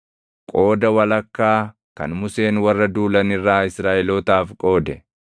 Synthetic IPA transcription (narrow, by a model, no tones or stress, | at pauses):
kʼo̞ːd̪ɐwɐlɐkːaː | kɐ̰nmʊse̞ːnwɐrːɐd̪uːlɐnɪrːaːɪsɾaːʔɛloːt̪aːfkʼo̞ːd̪ɛ